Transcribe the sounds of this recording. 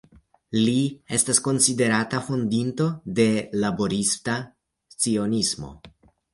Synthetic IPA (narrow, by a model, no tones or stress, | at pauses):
lie̞stasko̞nside̞ɾatafo̞ndinto̞de̞labo̞ɾista | t͡sio̞nismo̞̰